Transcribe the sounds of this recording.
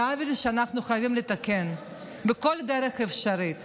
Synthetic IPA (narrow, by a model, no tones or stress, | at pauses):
avilʃeanaχnuχajavimlet̪aken | bekold̪eɾeχefʃaɾit̪